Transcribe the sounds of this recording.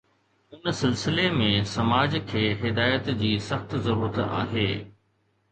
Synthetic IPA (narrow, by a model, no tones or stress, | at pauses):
ʊnsɪlsɪlemẽsɐmaːd͡ʑkʰeːɦɪd̪aːjət̪d͡ʑiːsɐxt̪zɐɾuːɾət̪a̰ːɦeː